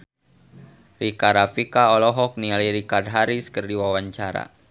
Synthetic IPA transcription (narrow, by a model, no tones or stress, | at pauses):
rikaɾafikaɔlɔɦɔk̚nialiɾikard̚ɦaɾiskərdiwawaɲt͡ʃaɾa̰